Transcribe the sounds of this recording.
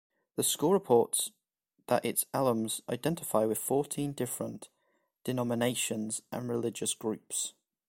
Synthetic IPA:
ðəskuːlˠɹɪpʰɔˑts | ðəʔɪtsalˠə̃mz̥a̰ɪdɛ̃ntɪ̥faɪwɪð̥fɔˑtʰĩndɪfɹə̰̃n | d̥ɪnɒmɪneɪʃə̃nz̥ʔə̰̃nɹɪlɪd͡ʒəsɡ̥ɹʉˑps

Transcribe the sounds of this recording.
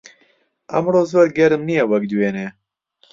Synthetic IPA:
ɛmroːzwɛɾɡɛɾɨmnijɛwɛk̚d̪weːnɛ

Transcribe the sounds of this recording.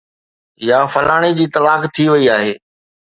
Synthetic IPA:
jaːfɐɾaːɽ̃id͡ʑiːt̪ɐlaːkt̪ʰiʋɐiaːɦeː

